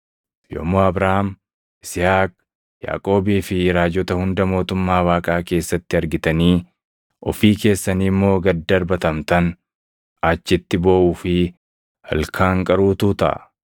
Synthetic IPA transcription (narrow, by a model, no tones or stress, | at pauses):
jo̰ːmoːɐbɾaham | ʔɪsɪhaːk̚ | ja̰ːkʼo̞ːbiːfɪɾaːd͡ʒɔt̪ɐhʊnd̪ɐmo̞ːt̪ʊmːaːwaːkʼaːke̞ːsːɐt̪ːɪɐɾɡɪt̪ɐniː | ʔɔfiːke̞ːsːɐniːmːo̞ːɡɐd̪ːɐɾbɐt̪ɐmt̪ɐn | ɐt͡ʃːɪt̪ːɪboːʔuːfɪ | hɐ̰lkʰaːŋkʼɐɾuːt̪uːt̪ɐ̰ʔ